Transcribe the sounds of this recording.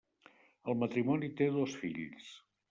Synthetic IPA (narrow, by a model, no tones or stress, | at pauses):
əlˠmət̪ɾimɔnit̪eðɔsfiʎs